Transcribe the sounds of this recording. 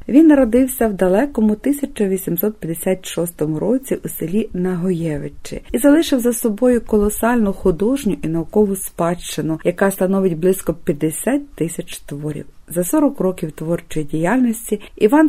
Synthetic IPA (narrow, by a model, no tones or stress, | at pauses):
ʋʲinːɐɾɔd̪ɪwsʲɐwd̪ɐlˠɛkɔmʊt̪ɪsʲɐt͡ʃɐʋʲisʲimsɔt̪̚pʲjɐd̪esʲat̪ʲʃɔst̪ɔmʊɾɔt͡sʲiʔuselʲinɐɦɔjɛʋet͡ʃɪ̰izɐlˠɪʃɪwzɐsɔbɔjʊkɔlˠɔsɑlʲnʊxʊd̪ɔʒnʲʊʔinɐʊkɔʋʊspɑʃt͡ʃɪnʊjɐkɑst̪ɐnɔʋɪtʲblˠɪskɔpʲjɐd̪esʲat̚ʲt̪ːɪsʲɐt͡ʃt̪ʋɔɾʲḭwzɐsɔɾɔkrɔkʲiwt̪ʋɔrt͡ʃɔjidʲijalʲnʲɔsʲtʲiiʋɑn